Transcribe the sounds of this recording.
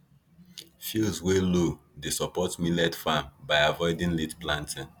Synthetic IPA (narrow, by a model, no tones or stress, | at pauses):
filzwelo | desɔpɔtmilɛdfambaɪavɔɪdĩnletplãntʰĩn